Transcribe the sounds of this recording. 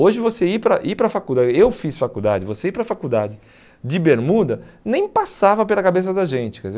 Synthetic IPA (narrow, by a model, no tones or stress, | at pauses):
oʒɪvoseipɾɐʔipɾɐfakuwd̪aɪewfisfakud̪a̰d͡ʒɪvoseipɾɐfakud̪ad͡ʒɪ | d͡ʒɪbeɾmud̪ɐnẽj̃pasavɐpelɐkabes̬ɐd̪ɐʒẽnt͡ʃɪ̥kɛze